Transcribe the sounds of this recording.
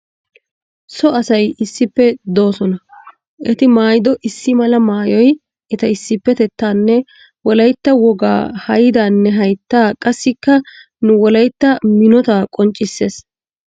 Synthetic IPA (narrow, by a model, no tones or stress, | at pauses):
sɔɐsɐjɪsːɪpːɛd̪o̞ːsɔnɐ | ʔɛt̪ɪmaːjɪd̪ɔʔɪsːɪmɐlɐmaːjɔj | ʔɛt̪ɐɪsːɪpːɛt̪ɛt̪ːaːnːɛ | wɔlɐjt̪ːɐwɔɡa̰ːhɐjɪd̪aːnːɛɦɐjt̪ːaːkʼɐsːɪkːɐ | nʊwɔlɐjt̪ːɐmɪnɔt̪aːkʼɔnt͡ʃʼːɪsːe̞ːs